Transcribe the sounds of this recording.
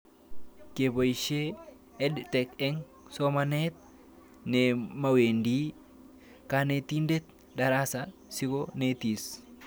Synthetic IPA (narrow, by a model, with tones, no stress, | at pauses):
kebo˨jʃe | ɛdt̪ɛ˨kɛŋ | somɐnet̪̚ | nemɐ˨we˨nd̪i˦ | ka˨ne˨t̪indɛ˦t̪ | ɗɐ˨ɾaː˦sasɪ˦kone˦t̪i˨s